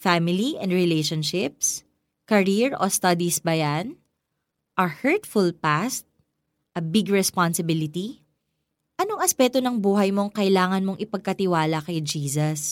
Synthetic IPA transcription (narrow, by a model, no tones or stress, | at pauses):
famɪliʔɛ̃nd̪ɹɛlɛjʃonʃɪp̚s | kɐɹiɹo̰st̪ɐd̪isbɐjan | ʔɐhɛɹt̪fʊlpast̪̚ | ʔɐbɪɡɹɛspansɪbɪlɪt̪i | ʔɐnoŋɐspɛk̚t̪onɐŋbuːɦɐjmo̞ŋkɐʔɪlaːŋɐnmo̞ŋʔɪpɐɡ̚kɐt̪ɪwaːlɐkɐjd͡ʒiːsɐs